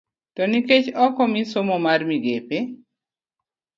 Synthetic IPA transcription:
tɔniket͡ʃɔkɔmisomɔmarmiɡepe

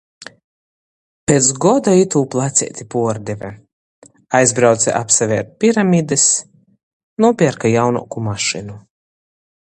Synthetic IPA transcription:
pʲet̪sɡɔd̪ait̪uːplˠat̪sʲɛ̰ɛt̪ʲipuɔɾd̪ʲɛvʲɛ | ajzbɾawt̪sʲɛ̰ʔapsavʲɛɛɾt̪̚pʲiɾamʲid̪ɨs | nuɔpʲiɛɾkajawnṵːkumaʃinu

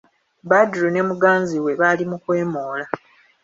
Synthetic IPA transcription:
badɾune̞muɡaːnziwe̞βaːlimukwe̞ːmoːla

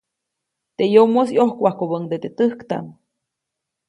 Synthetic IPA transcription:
t̪ejomosjohkʷahkoβəŋd̪et̪et̪əhkt̪a̰n

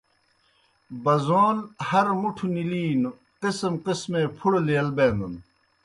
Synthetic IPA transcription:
bɐzoːlhɐɾmuʈʰuniliːnu | qismqismeːpʰuɽleɐlbeːnd̪un

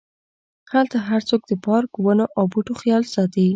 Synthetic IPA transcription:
halt̪aɦaɾt͡sok̚d̪əpɑɾkwənoʔawbuʈoxjɑlsɑt̪ei

